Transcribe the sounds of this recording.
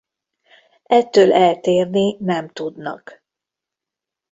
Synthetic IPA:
ɛt̪ːøːlʔɛlt̪eːrninɛmt̪ud̪nɒ̰k

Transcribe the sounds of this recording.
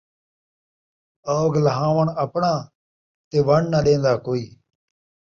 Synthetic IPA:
əːɡləɦãːʋəɳəpɳãː | t̪eːʋəɳnəɗ̪ẽːnd̪aːkoːiː

